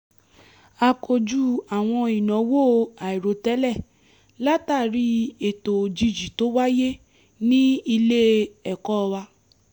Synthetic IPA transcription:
a˧kʰo˧d͡ʒu˦a˨w̃ɔ̃˧i˨nɔ̃˨˦wo˦˨˧a˨i˨ɾo˨˦tɛ˨˦lɛ˦˨ | la˦ta˦˨ɾi˨˦e˨to˨d͡ʒi˧d͡ʒi˨to˨˦wa˦je˦ | nĩ˦i˧le˦ɛ˨kɔ˦˧wa˧

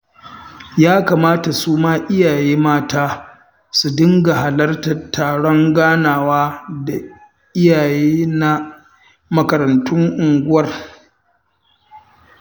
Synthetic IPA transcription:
jaː˦kaː˨maː˦ta˨suː˦maː˦ʔɪ˦jaː˨jeː˦maː˦taː˦ | su˨dɪ˦ŋɡa˨ɦa˨lɐ˦rtɐ˨tʰːaː˨ɽɔ˦ŋɡaː˦naː˨waː˦da˨ | ʔɪ˦jaː˨jeː˦na˦ | mɐ˦kɐ˨ɾɐ˨ntʊ˦ŋʔʊ˨ŋɡʷʊ˦wɐ˦˨r

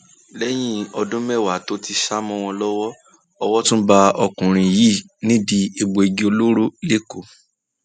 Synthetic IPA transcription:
lɛ˦j̃ĩ˦ɔ˧dũ˦mɛ˦˨wa˨to˦ti˧ʃa˦mɔ̃˦˧w̃ɔ̃˧lɔ˦wɔ˦ | ɔ˧wɔ˦tũ˦ba˧ɔ˧kũ˨ɾ̃ĩ˧ji˦˨ | nĩ˨˦di˧e˨ɡ͡bo˨i˧ɡi˦o˧lo˦ɾo˦le˦ko˨

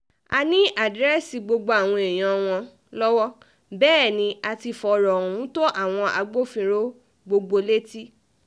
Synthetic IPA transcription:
a˧nĩ˦a˨dɾɛ˦si˧ɡ͡bo˧ɡ͡bo˧a˨w̃ɔ̃˧e˨j̃ã˧w̃ɔ̃˧ | lɔ˦wɔ˦ | bɛː˦˨nĩ˧a˧ti˧fɔ˧ɾɔ˨ũ˨˦to˦ʔa˦˨w̃ɔ̃˧ʔa˧ɡ͡bo˦fĩ˧ɾo˦ | ɡ͡bo˧ɡ͡bo˧le˦ti˦

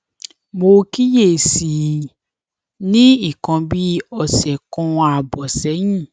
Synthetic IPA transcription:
mo˧ki˦je˦˨si˨ | nĩ˦i˦˨kã˧bi˦ɔ˧sɛ˨kɔ̃˧a˨bɔ˨sɛ˨˦j̃ĩ˦˨

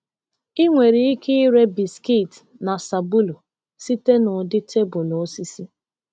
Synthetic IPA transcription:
i˦ŋʷe˨ɾi˨i˦ki˦i˦ɾe˦bi˨ski˦˨t | na˨sa˨bu˦lo˨ | si˦te˦nʊ˨dɪ˦tʰe˦bʊ˨lo˨o˦si˦si˦

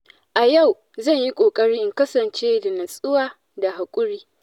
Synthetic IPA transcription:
ʔa˨ja˦˨w | zɐ˦˨ɲji˦kʷʼoː˨kʼɐ˦ɽiː˦ʔɪ˦ŋkɐ˦sɐ˨nt͡ʃeː˦da˨nɐ˨sʼʊ˦waː˦ | da˨ɦa˨kʷʼʊ˦ɽiː˦

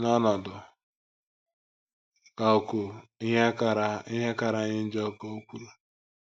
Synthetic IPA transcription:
na˦nɔ˨dʊ˨ | ka˨kʊ˨˦˨ | a˦ɪ˦ɦe˦ka˨ɾa˨ɲɪ˦n̩˦d͡ʒe˦ko˦o˦kʷu˦la˨

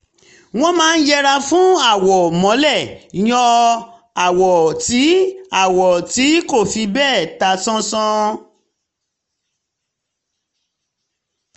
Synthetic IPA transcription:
w̃ɔ̃˦mãː˨˦n̩˦d͡ʒɛ˦ɾa˧fũ˦a˦˨wɔ˨mɔ̃˨˦lɛ˦˨j̃ɔ̃˧ | a˨wɔ˨ti˨˦a˦˨wɔ˨ti˨˦ko˦˨fi˧bɛː˦˨ta˧sɔ̃˦sɔ̃˦

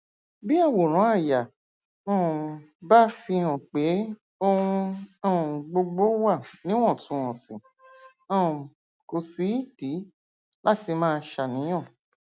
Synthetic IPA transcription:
bi˦a˦˨wo˨ɾ̃ɔ̃˨˦a˦˨ja˨ | ɔ̃˦˨ | ba˦fĩ˧ɔ̃˨k͡pe˨˦ | o˦˧ɾũ˧ɔ̃˦˨ɡ͡bo˧ɡ͡bo˦wa˦˨nĩ˨˦w̃ɔ̃˦˨tũ˨˧ɔ̃˨sĩ˨ | ã˦˨ | ko˨si˨˦i˦˨d̥i˨˦ | la˦ti˧mãː˦˧ʃa˨nĩ˨˦j̃ɔ̃˦˨

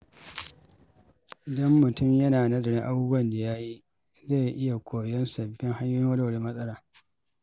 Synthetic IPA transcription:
dɐ˦mːʊ˨tʊ˦˨mjɐ˦naː˨nɐ˦zɐ˨ɽɪ˦ŋʔa˦buː˦bu˦ɐ˨nda˨ja˦ji˦ | za˦˨jʔɪ˦ja˨kʷoː˨jɛ˦nsɐ˨bɪ˦ŋha˦ɲjʊ˦noː˦da˦˨wɽi˦mɐ˦sʼɐ˦laː˨

